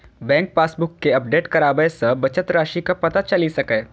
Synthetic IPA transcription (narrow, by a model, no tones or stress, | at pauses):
bɛ̃ːŋk̚paːsbʊkːeɐp̚ɖeːʈkɐɾaːbəjsɐbɐt͡ʃət̪ɾaːʃikapɐt̪at͡ʃɐlisɐkɛː